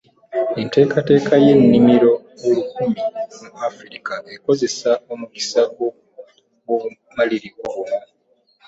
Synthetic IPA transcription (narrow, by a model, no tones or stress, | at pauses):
ente̞ːkate̞ːkaje̞nːimiɾo̞ | olukumimuafɾikaeko̞ze̞saomuki̥saɡo | wo | maliɾioβmu